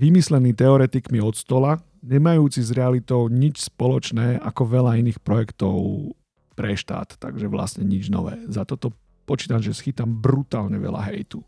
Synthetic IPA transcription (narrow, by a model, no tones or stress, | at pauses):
ʋimislɛniːt̪ɛɔɾɛt̪ikmiɔt̪st̪ɔla | ɲɛmajuːt͡sizɾɛalit̪ɔʊɲit͡ʃspɔlɔt͡ʃnɛːakɔʋɛʎainiːxpɾɔjɛkt̪ɔʊ | pɾɛʃt̪a̰ːt̪ːa̰ɡʒɛʋla̰sɲɛɲid͡ʒnɔ̰ʋɛ̰ːzat̪ɔt̪ɔ | pɔt͡ʃiːt̪amʒɛsxit̪ambɾut̪aːlɲɛʋɛ̰la̰ɦɛ̰jt̪u